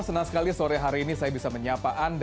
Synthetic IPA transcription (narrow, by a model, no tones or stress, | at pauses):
sənasə̥kalisoɾɛɦaɾiːnisajabisaməɲapaʔand